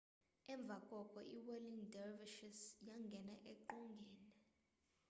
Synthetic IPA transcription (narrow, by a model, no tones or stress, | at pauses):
ɛɱb̪vʱakʼɔkʼɔʔiwɛliŋdɛrviʃisjaŋɡʱɛnaʔeǃuŋɡʱɛːnɛ